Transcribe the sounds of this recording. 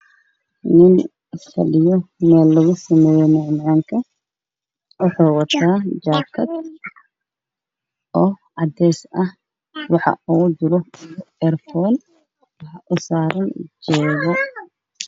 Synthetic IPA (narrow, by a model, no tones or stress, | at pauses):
nɪn | sɐ̰lɪjɔmɛːlːɐɣʊsɐmɛːjɛmɔʕmʕaːŋkʰɐ | wɑħɑːwɑt̪ʰaːd͡ʒaːkʰɐd̪̚ | ʔɔːʕɑd̪ɛːsɐh | wɑħɑ̰uːd̪ʊɾɔɛrfɔːn | ʔʊsaːɾɐnd͡ʒɔːɣɔ